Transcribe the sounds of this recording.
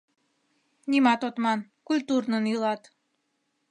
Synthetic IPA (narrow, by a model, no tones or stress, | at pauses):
nimɑt̪ot̪mɑn | kulʲt̪urnənylɑt̪